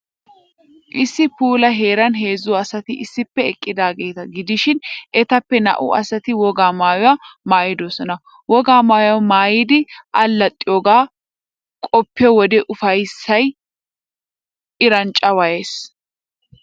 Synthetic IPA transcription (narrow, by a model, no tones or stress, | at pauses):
ʔɪsːɪpuːlɐɦeːɾɐnɦe̞ːzːʊwɔɐsɐt̪ɪʔɪsːɪpːɛɛkʼːɪd̪aːɡe̞ːt̪ɐɡɪd̪ɪʃɪnɛt̪ɐpːɛnɐ̰ʔʊʔɐ̰sɐt̪ɪwɔɡaːmaːjʊwɐmaːjɪd̪oːsɔnɐ | wɔɡaːmaːjʊwɐmaːjɪd̪ɪʔɐlːɐt̪ʼːɪjoːɡaː | kʼɔpːɪɔwɔd̪ɛʔʊfɐjsːɐj | ʔɪɾɐnt͡ʃʼːɐwɐje̞ːs